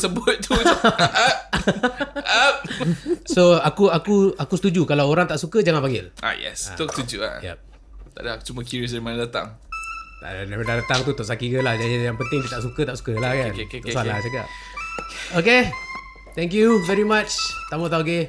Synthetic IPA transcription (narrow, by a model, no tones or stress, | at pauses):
səbʊt̪̚t̪ua | ap̚ssoakuakuakusə̥t̪ud͡ʒukalawoɾaŋt̪aʔsukəd͡ʒaŋanpaŋɡɪlʔa̰jɛ̰sa̰t̪ɔkst̪ud͡ʒua̰jɛ̰p̚ | t̪aʔdḁt͡ʃumakjuɾiɔs̬daɾimanadat̪a̰ŋt̪a̰ʔdamədat̪aŋt̪ut̪ɔʔsakikəlahjajaŋpənt̪ɪŋt̪it̪aʔsukət̪aʔsu̥kəlahkanɔʔsala̰saɡa̰ʔ | oke | t̪ɛ̃ŋk̬juvɛɹimat͡ʃt̪amat̪aoke